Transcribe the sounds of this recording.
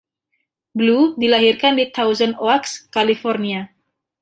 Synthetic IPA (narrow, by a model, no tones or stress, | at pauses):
bludilaɦirkandit̪ʰawzənoakskalifɔrnia